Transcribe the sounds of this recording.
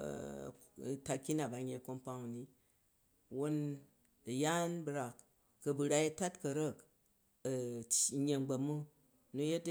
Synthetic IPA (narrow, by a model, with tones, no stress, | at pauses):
ta˧kʲi˦na˨ba˨ɲe˧˨ko˦mpa˦ŋ˨ni˦ | wo˧n | ɐ˨ja˦nbɾa˨kː | ɐ˧bɨ˨ɾa˧je˦ta˦tkɐ˨ɾɐ˦˨k | t͡ʃɲe˧ŋ͡mɡ͡bɐ˨mu˦ | nu˧je˦t